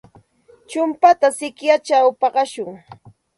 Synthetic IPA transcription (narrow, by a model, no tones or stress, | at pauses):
t͡ʃʊmpat̪asɪkjat͡ʃawpɑɢɑʃʊŋ